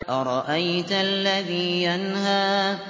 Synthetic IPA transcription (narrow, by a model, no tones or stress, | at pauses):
ʔaɾˤɑʔajt̪alːaðiːjanhaː